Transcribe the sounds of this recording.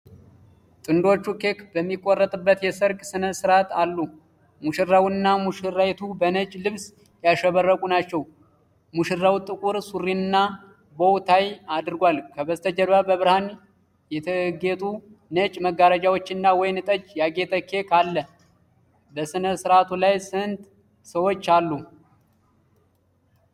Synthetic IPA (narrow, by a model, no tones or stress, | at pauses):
t̪ʼɨnd̪o̞t͡ʃːukʰe̞kbəmːikʼːorːət̪ʼɨbːət̪jɛsəɾkʼsɨnəsɨɾat̪alːu | muʃɪrawnːamuʃɨrːajt̪ʰubənət͡ʃʼlɨβs | jaʃɛβərːəkʼunat͡ʃːɛw | muʃɪrːawt̪ʼɨkʼuɾsurːiɨnːa | bowt̪ʰajad̪ɨɾɨɡʷalkʰəbəzt̪ʰəd͡ʒəɾβabəβɾhan | jɛt̪ʰəɡet̪ʼu | nət͡ʃʼməɡaɾəd͡ʒawo̞t͡ʃːɨnːawɔjnɨt̪ʼət͡ʃːjaɡe̞t̪ʰʼəkʰːe̞kʰalːə | bəsɨnəsɨɾat̪ʰulajsɨnt̪ | səwo̞t͡ʃːalːu